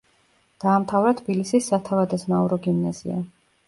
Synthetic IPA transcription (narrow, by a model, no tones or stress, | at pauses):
d̪̥aːmt̪ʰavɾat̪ʰbilisisːat̪ʰavad̪asnauɾɔɡimnazḭa̰